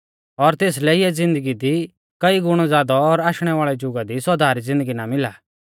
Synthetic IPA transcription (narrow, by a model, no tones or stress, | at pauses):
ɔɾt̪eːs̬lɛɪɛd͡zɪ̃nd̪əɡid̪i | kɐiɡʊɽ̃ɔzaːd̪ɔːɾaːʃɽ̃ɛʋaːɭɛd͡ʒʊɡad̪isɔd̪ʱaːɾizɪ̃nd̪əɡinamɪlaː